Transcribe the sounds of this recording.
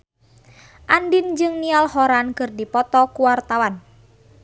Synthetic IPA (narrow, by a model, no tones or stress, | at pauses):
ʔandind͡ʒɨŋnialhɔɾankɨrdipɔt̪ɔkuwart̪awan